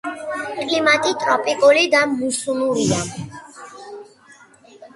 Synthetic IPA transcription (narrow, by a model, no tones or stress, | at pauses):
kʼlimat̪ʼit̪ʼɾɔpʼikʼɔlid̪amːusunuɾid̪a